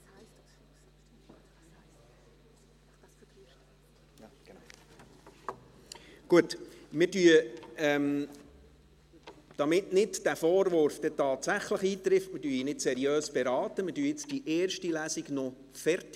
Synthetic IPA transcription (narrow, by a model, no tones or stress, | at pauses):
ɡ̥n | ɡ̥uətmɪdyəɛm | d̥ɑmɪtnɪdd̥æfɔːɾʋʊɾfd̥ɛtɑːt̪sæχləχiːtɾɪftmɪdyːəinɪdsɛɾiøːsb̥ɛɾɑːt̪əmɪdyːəɪt͡sd̥iʔɛːɾʃtilæsiɡno | fɛɾt